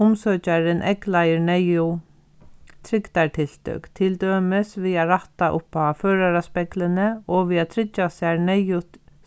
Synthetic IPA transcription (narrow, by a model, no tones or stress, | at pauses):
ʊmsœːt͡ʃaɾɪnʔɛklajɪɾnɛjʊ | t̪ʰɾɪkt̪aɹt̪ʰɪl̥t̪œ̰kt̪ʰɪlt̪øːmɪsviːaɾaht̪aʔʊ̰pːaføːɾaɾaspɛklɪnɪɔʋiːat̪ʰɾɪt͡ʃːasaɾnɛjʊt̪